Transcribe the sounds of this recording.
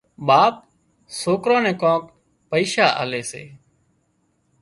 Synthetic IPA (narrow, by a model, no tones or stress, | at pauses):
ɓaːp̚ | soːkɾõːnẽːkõːk | pəiːʃaːʔa̰ːleːsḛː